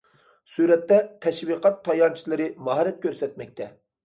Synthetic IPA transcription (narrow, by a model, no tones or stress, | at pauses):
suɾɛt̪ːɛt̪ʰɛʃviqʰɑt̪ʰːɑjɑnt͡ʃʰilˠɨɾɪmɑɦɑɾɛt̪̚kʲʰøɾsɛt̪̚mɛk̚ʲt̪ʰɛ